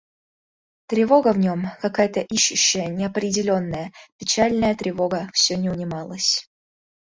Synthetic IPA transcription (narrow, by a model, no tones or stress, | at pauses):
t̪ɾʲɪvo̞ɡəvnʲo̞mkɐkajət̪əʔiɕːʊɕːəjənʲɪɐpɾʲɪdʲɪlʲo̞nːəjəpʲɪt͡ɕalʲnəjət̪ɾʲɪvo̞ɡəfsʲɵnʲɪʊnʲɪmɑlˠəsʲ